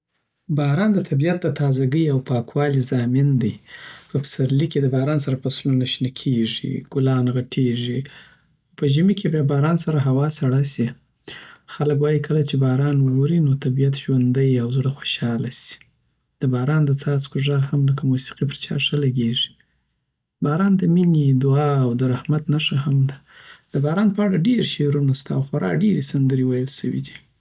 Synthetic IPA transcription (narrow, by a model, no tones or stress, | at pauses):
bɑɾɑnd̪ət̪ʰabijat̪̚d̪ət̪ʰɑzaɡəjawpɑkwɑlizɑmɪnd̪əjpəpsaɾliked̪əbɑɾɑnsaɾapaslonaʃnakʰeʐḭɡ̥ʊlɑnɣaʈʰeʐi | pəʒimikʰebjabɑɾɑnsaɾaɦawɑsaɽasi | xaləkwɑjikʰəlat͡ʃebɑɾɑnwoɾinot̪abijat̪ʒwand̪əjawzɽaxo̥ʃɑlasi̥ | d̪̥əbɑɾɑnd̪ət͡sɑt͡skoʐaɣhamlakamusi̥qip̬əɾt͡ʃɑ̰ʂəlaɡeʐi̥ | bɑɾɑnd̪əmined̪ʊɑːwd̪əɾahmat̪naʂahamd̪ad̪̥əbɑɾɑnpəaɽaɖeɾʃeɾunast̪aːwxaɾɑ̰ɖeɾesand̪əɾewajəlsəwḭd̪i